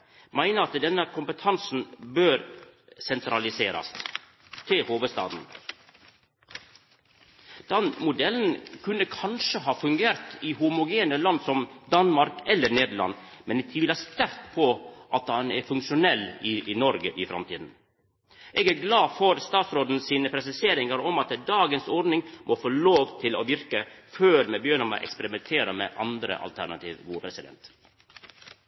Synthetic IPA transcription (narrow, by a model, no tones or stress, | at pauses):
mæɪnəɾɑt̪d̪ɛnːəkʰʊmpət̪ʰɑnsn̩bøːɾsɛnt̪ɾɑlɪseːɾɑ̰s | t̪ʰɪhoːʋəst̪ɑ̰ːd̪n̩ | d̪̥ɑnmʊd̪ɛln̩kʰʉnːəkʰɑnʂəɦɑːfʉŋɡeːɾt̪ɪhʊmʊɡeːnəlɑnːsɔmd̪ɑnmɑɾkɛlːəɾneːd̪əɭɑ̰nmɛnt̪ʰʋɪlhɑːst̪æɾt̪pʰɔʔɑt̪hɑnɛɾfʉŋkʂʊnɛlːɪnɔɾɡəʔɪfɾɑ̰mt̪ʰiːd̪n̩ | ʔɛːɡæɾɡlɑːfɔɾst̪ɑːt̪sɾoːd̪n̩siːnəpʰɾɛsɪseːɾɪŋəɾɔmɑt̪d̪ɑːɡənsɔɾd̪nɪŋmʔɔfoːloːʋt̪ʰɪlɔ̰ʋɪɾkəføːɾmɛbjøːnəmɑ̰ʔɛ̰kspɛɾɪmɛnt̪ʰeːɾəmɛ̰ʔɑ̰nd̪ɾə̰ʔɑ̰lt̪ʰæ̰ɾnɑ̰t̪ʰḭːʋʋuːpʰɾɛsɪd̪ɛ̰nt̪